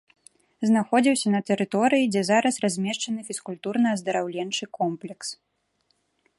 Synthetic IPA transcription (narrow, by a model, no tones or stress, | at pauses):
znaxɔd͡zʲiwsʲɐnɐt̪ɛɾɨt̪ɔɾɨjid͡zʲɛzaɾɐsrazʲmʲɛʂt͡ʂɐnɨfʲiskulʲt̪urnɐɐzd̪ɐɾawlʲɛnt͡ʂɨkɔmplʲɛks